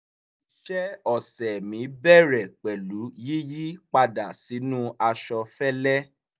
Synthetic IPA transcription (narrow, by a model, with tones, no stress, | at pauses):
ʃɛ˦ɔ˨sɛ˨mĩ˨˦bɛ˦˨ɾɛ˨k͡pɛ˨lu˨˦ji˦ji˦k͡pa˧da˨si˨˦nũ˦a˧ʃɔ˧fɛ˦lɛ˦